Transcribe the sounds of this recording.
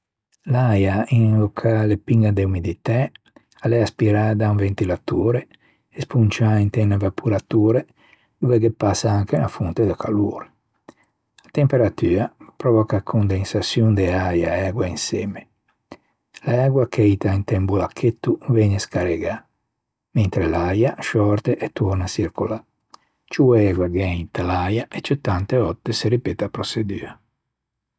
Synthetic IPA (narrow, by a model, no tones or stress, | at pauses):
lajainlokʰalepiŋɡad̪eumid̪it̪a | alɛaspiɾaːd̪auɱvent̪ilat̪uːɾeː | spunt͡ʃaint̪ɛnavapʰuɾat̪uːɾe | d̪uvɛɡepasːaaŋkela̰funt̪ed̪akʰaloːɾ | at̪empeɾat̪yːapɾɔvɔkakʰond̪ensasjund̪ɛajaɛɡwainsɛːme | laɛɡwakʰɛjt̪aint̪ɛmbulakʰːet̪ːuvɛɲeskaɾeɡa | ment̪ɾelajaʃɔɾt̪eʔɛt̪ːuɾnasiɾkula | t͡ʃuɛɡwaɡɛjt̪alajaʔet͡ʃːet̪ːant̪eɔt̪ːeseɾipeːt̪apɾosed̪y̰ːa